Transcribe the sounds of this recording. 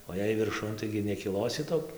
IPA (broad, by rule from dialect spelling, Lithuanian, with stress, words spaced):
oː jɛɪ ʋʲɪrˈʃʊn ˈtɐɪɡʲɪ nʲɛkʲɪˈlˠoːsʲɪ ˈtoːkʲ